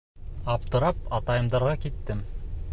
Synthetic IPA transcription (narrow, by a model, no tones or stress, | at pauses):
ɑp̚t̪ɤ̆ɾɑp̚ɑt̪ɑjɤ̆md̪ɑɾʁɑkit̪ːɘm